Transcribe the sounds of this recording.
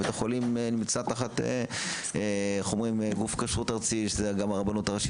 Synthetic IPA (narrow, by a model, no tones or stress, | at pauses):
et̪eχolimenimt͡sat̪aχat̪ḛeχomʁimeɡufkaʃut̪aʁt͡siʃezeɡamaʁabanut̪aʁaʃi